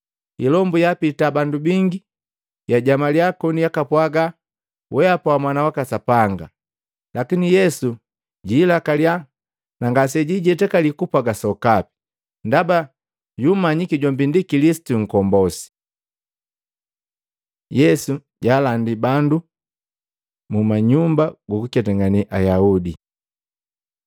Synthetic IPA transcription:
ilɔmbujapitabandubiŋɡi | jaɟamaljakɔnijakapwaɡa | wʔɛapawamwanawakasapaŋɡa | lakinijɛsu | ɟiːlakalia | naŋɡasɛɟiɟɛtɛkalikupaɡasɔkapi̥ | ndaba | ɟumaɲikiɟɔmbindikilisi̥tuŋ̩kɔmbɔsi̥ | jɛsu | ɟaːlandibandu | mumaɲumbaɡɔkukɛtɛŋɡaniʔajaudi

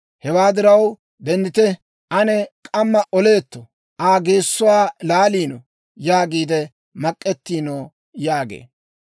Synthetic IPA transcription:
hɛwaːd̪ɪɾɐw | d̪ɛnd̪ɪt̪ɛ | ʔɐnɛkʼɐmːɐʔɔle̞ːt̪ːɔ | ʔaːɡe̞ːsːʊwaːlaːliːno̰ | jaːɡiːd̪ɛ | mɐkʼːɛt̪ːiːnoː | jaːɡḛː

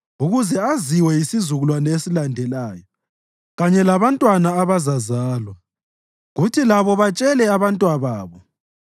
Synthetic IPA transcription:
uɣuzɛaziwɛjisizuɣulwanɔesilandʱɛlaːjɔ | ɣaɲɛlaβantʼwanaːβazazaːlwa | ɣutʰilaβɔβat͡ʃʼɛlɛaβantʼwaβaːβɔ

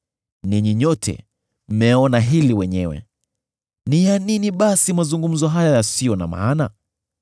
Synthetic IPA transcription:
niɲiɲɔtʰɛ̰ | m̩mɛɔnaɦiliwɛɲɛwɛ̰ | nijaniniɓasimazuŋɡum̩zɔɦajajasijɔna̰ma̰ːna

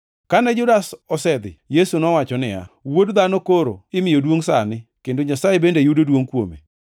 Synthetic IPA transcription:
kanɛd͡ʒʊdasɔsɛd̪ɪ̰jesunɔwat͡ʃɔnɪja̰wodd̪anokoɾo̰ɪmɪjodwoŋsanɪkendoɲasajebendejudodwoŋkwo̰mḛ

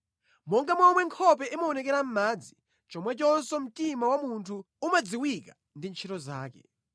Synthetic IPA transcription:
mɔŋɡamɔmwɛŋkʰɔp̬ɛʔimaɔnɛkɛɾam̩maːd͡zi̥ | t͡ʃɔmwɛt͡ʃɔnsɔm̩timawamuntʰu | umad͡ziwika | ndint͡ʃʰɛtɔzaːkɛ̰

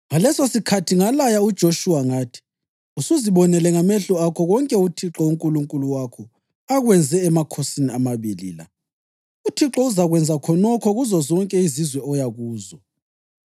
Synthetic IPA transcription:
ŋalɛsosikʰatʰiŋalajaud̥ʒ̥ʱoʃuwaŋaːtʰi̥ | usuziβɔnɛlɛŋamɛɬuakʰɔɣɔŋkʼɛutʰiǁɔuŋkʼuluŋkʼuluwakʰɔ | aɣwɛnd͡zʱɛːmakʰosiniamaβilḭla̰ | utʰiǁɔuzaɣwɛnd͡zʱakʰɔnɔkʰɔɣuzɔzɔŋkʼɛizizwɛɔjaɣuːzɔ

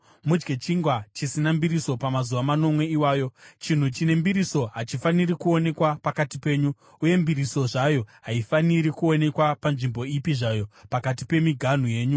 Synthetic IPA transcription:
mud͡ʒɡe̞t͡ʃiŋɡwat͡ʃisinambiɾiso̞pamazuʋamano̞mwe̞iwaːjo̞t͡ʃin̤ut͡ʃine̞mbiɾiso̞ɦat͡ʃifanirikuo̞ne̞kwapakatipe̞ːɲu | uje̞mbiɾiso̞ʐajo̞ɦaifaniɾikuo̞ne̞kwapanʐimbo̞ipiʐajo̞pakatipe̞miɡʱan̤uje̞ːɲu

